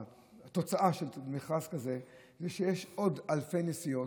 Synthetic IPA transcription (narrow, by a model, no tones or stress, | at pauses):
t̪o̞t͡saʔaʃelmiχaskaze | zeʃejeʃo̞d̪alfejnesijo